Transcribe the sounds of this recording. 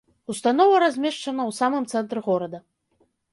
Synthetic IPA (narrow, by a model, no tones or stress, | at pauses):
ust̪anɔvɐɾazʲmʲɛʂt͡ʂɐnɐwsamɨmt̪sɛnt̪ɾɨɣɔɾɐd̪ɐ